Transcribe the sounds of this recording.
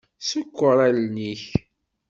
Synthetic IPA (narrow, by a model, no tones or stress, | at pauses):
səkʷːəɾˤælniç